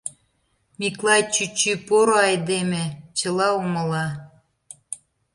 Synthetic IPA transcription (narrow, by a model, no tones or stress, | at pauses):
miklˠɑjt͡ɕyt͡ɕypoɾoɑjd̪emĕt͡ɕə̆lɑumə̆lɑ